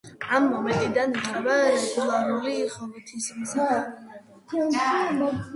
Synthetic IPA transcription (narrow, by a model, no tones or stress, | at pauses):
amːɔmɛnt̪ʼid̪anit͡ʃʼɛbaɾɛkʼulˠaɾuliχʼɔvit̪ʰismsa